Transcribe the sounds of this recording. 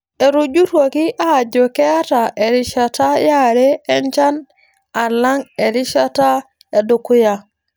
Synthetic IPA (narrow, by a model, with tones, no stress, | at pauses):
e˨ɾu˨d͡ʒu˦two˨ki˦ʔa˦˨ɟo˨ke˦a˦ta˨ʔe˨ɾi˨ʃa˨ta˦ja˦ɾeː˦ɲt͡ʃa˦n | a˨la˦ŋe˨ɾi˦ʃa˦ta˦ | e˨do˨ku˦ja˨